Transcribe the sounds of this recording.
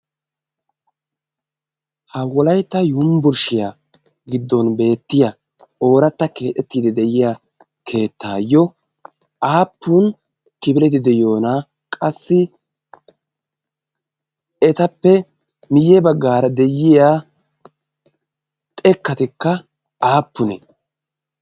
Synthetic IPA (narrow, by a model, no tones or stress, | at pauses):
hɐwɔlɐjt̪ːɐjʊmbʊɾʃɪja | ɡɪd̪ːɔnbe̞ːt̪ːɪja | o̞ːɾɐt̪ːɐke̞ːt̪ːɛt̪ːiːd̪ɛd̪ɛjɪjaː | kʰe̞ːt̪ːaːjːɔ | ʔaːpːuːn | k̪ɪbɪlɛt̪̬ɪd̪ɛjo̞ːna | kʼɐsːɪ | ɛt̪ɐpːɛ | mɪjɛbɐɡːaːɾɐd̪ɛjːɪjaː | t̪ʼɛkːɐt̪ɪkːɐ | aːpːʊnɛ̰